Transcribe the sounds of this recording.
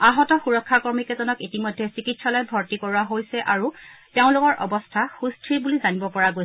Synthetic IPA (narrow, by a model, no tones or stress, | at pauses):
aɦɔtɔxuɹɔkʰːakɔɹmikɛzɔnɔkitimɔjdʱɛsikitsɔlɔjbʱɔɹtikɔɹuaɦojsɛʔaɹuteʊ̃lʊkɔɹʔɔbɔstʰaxustʰɹibulizanibɔpɔɹaɡojsɛ